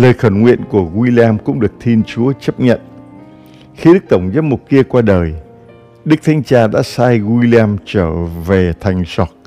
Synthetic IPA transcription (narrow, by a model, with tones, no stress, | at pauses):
ləː˨˩jxə˧˩nŋwḭ˧˨ənku˧˩əɣwi˧li˧aː˧mkʊ̰˧˥ŋ͡mɗɨ˨˩ək̚t̪ʰi˧nt͡ɕu˨˦ət͡ɕə˦˥p̚ɲə̰˧˨n | xi˧ɗɨ˦˥k̚t̪ə˧˩wŋ͡mzəː˦˥pmu˨˩t̚ki˧əkwaː˧ɗəː˨˩j | ɗɨ˦˥k̚t̪ʰa˨˦jŋ̟t͡ɕaː˧ɗa̰ː˧˥saː˧jɣwui˧li˧a˧mt͡ɕəː˧˩ve˨˩t̪ʰa˨˩jŋ̟sɔ˨˩t̚